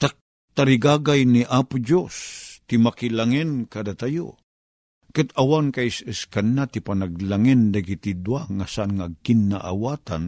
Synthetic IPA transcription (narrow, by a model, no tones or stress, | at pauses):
t̪ak̚ | t̪aɾiɡaɡajniʔapʊd͡ʒost̪imakilaŋɛnkad̪at̪ajo̰ | kɨt̪awankaisəskanːat̪ipanaɡ̚laŋɛnd̪aɡit̪id̪waŋasaʔanŋaɡ̚kinːaʔawaːt̪an